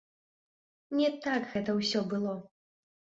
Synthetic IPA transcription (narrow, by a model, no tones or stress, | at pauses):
nʲɛt̪aɡɣɛt̪ɐwsʲɔbɨlˠɔ